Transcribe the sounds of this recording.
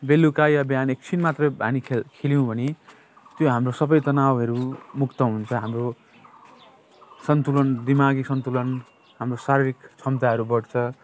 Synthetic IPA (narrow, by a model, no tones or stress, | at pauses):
belːukajabjanek̚t͡sʰinmat̪rʌbʱanikʰkʰelijũbʱʌne | t̪joɦamrosʌbʌjt̪ʌnawɦʌɾumukt̪ʌɦunt͡sʰʌɦamro | sʌnt̪ulʌnd̪imaɡisʌnt̪ulʌn | hamrosaɾiɾikt͡sʰʌmt̪aɦʌɾubʌɽt͡sʰʌ